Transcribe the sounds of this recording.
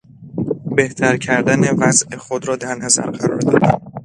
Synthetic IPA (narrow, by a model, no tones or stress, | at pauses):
be̞ht̪ʰæɾcʰæɾd̪æne̞væzʔexod̪ɾɒːd̪æɾnæzæ̰ɾɢæɾɒ̰ːɾd̪ɒ̰ːd̪æ